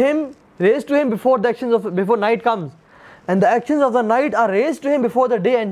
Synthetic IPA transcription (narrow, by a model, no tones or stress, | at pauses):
ɪ̃m | ɾeːzʈuhɪ̃mbɪfoːɾd̪iækʃə̃nzɔfbɪfoːɾnaɪʈ̚kʌ̃mz | ɛ̃ɖd̪iækʃə̃nzɔfd̪ənaɪʈaːɾɾeːzʈuhɪ̃mbɪfoːɾd̪əɖeːɛ̃ɳ